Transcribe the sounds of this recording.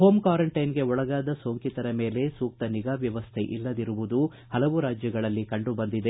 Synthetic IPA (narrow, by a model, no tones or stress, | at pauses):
ɦo̞ːmkaːɾɐɳʈɐjnɡe̞ɔɭɐɡaːd̪ɐso̞ːŋkit̪ɐɾɐme̞ːle̞suːk̚t̪ɐniɡaːʋjɐʋɐst̪ʰe̞ʔḭlːɐd̪iɾuʋud̪u | hɐlɐʋuɾaːd͡ʒjɐɡɐɭɐlːikɐɳɖubɐnd̪id̪e̞